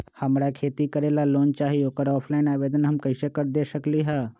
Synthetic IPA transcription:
həmɾakʰeːt̪ikəɾeːlaloːnt͡ʃaːɦioːkəɾɔːpʰlaːɪnaːʋeːd̪ənɦəmkəɪsekəɾd̪eːsəkliɦɛː

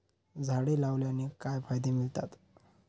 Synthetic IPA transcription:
d͡zʱaɽelaʋljanikajfajd̪emilt̪at̪

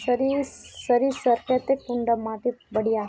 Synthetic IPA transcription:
sɐɾisəɾiːsəɾkɐt̪ekuɳɖəmːat̪ibəɽia

